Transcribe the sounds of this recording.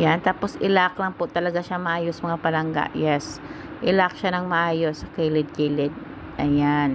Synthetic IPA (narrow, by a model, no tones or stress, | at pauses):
jant̪aːpo̞sʔɪlaklɐŋpot̪ɐlɐɡaʃamɐʔaːjosɐmɐŋabɐɾaŋɡa̰ʔjɛs | ʔɪlak̚ʃanɐŋmɐʔaːjosɐkɛlɪd̪̚kɪlɪd̪̚ | ʔɐjan